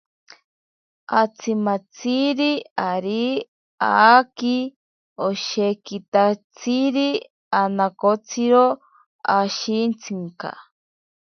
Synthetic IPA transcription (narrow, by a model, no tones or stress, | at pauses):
at͡sʰimat͡sʰiɾiaɾi | aki | oʃekit̪at͡sʰiɾi | anakot͡sʰiɾo | aʃint͡sʰiŋka̰